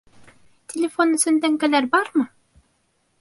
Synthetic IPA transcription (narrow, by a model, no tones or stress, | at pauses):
t̪ʲʰelʲefo̞nɵ̆sɵ̆nd̪æŋɡælæɾbɑɾmɤ